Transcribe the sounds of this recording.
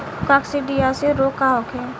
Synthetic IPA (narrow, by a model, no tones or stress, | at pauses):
kaksiɖijaseɾoːkaɦokʰɛ